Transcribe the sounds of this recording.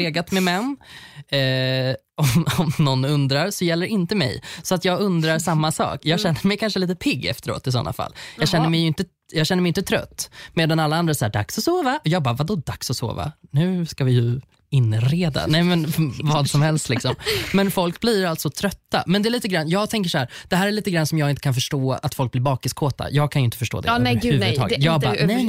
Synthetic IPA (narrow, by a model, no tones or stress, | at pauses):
leːɡat̪mɛmɛnː | ɔmɔmnɔnːɵnd̪ɾaɾsɔjɛlːəɾɪnt̪əmɛ̰jsɔat̪jɑːɡɵnd̪ɾaɾsamːasɑ̰ːkjɑːɡɕɛnːəmɛjkʰanʂəliːt̪əpʰɪɡːɛ̰ft̪əɾo̰ːt̪ɪs̬ɔ̰nːʔa̰fa̰lːjɑːɡɕɛnːəmɛjɵɪnt̪ə | jɑːɡɕɛnːəmɛjɪnt̪ət̪ʰɾœ̰t̪ːmeːd̪analːaand̪ɾasæːɖa̰ksɔsoːvaʔɔjɑːɡ̚bɑːɾvad̪ɔd̪aksɔso̰ːva̰nʉ̟ːskavɪjɵ | ɪnːɾeːd̪a̰nɛjmɛnvɑːd̪sɔmhɛlst̪lɪksɔmmmɛnfɔlkblɪɾalt̪sɔt̪ʰɾœt̪ːa̰mɛnd̪ɛːliːt̪əɡɾanːjɑːɡt̪ʰɛŋk̬əʂɔhæːɾd̪̥ɛɦæːɾɛɭiːt̪əɡɾanːsɔmjɑːɡɪnt̪ə̥kʰanfœʂʈoːa̰t̪fɔlk̚blɪɾbɑːkɪskʰoːt̪a̰jɑːɡ̚kʰanjɵɪnt̪ə̥fœʂʈo̰ːd̪ɛhʉvdt̪ʰɑ̰ːɡ̪jɑːɡbnɛ